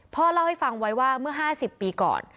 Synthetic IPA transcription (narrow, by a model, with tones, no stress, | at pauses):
pʰɔː˥˩la˥˩wha˥˩jfa˧ŋwa˦˥jwaː˥˩mɯ˥˩ɐɦaː˥˩si˨˩pːiː˧kɔ̰ː˨˩n